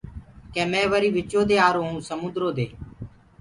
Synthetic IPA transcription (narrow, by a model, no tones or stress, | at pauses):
kɛ̃ːmɛ̃ːʋəɾiːʋɪt͡ʃoːd̪eːaːɾoːɦũːsəmʊ̃nd̪ɾoːd̪eː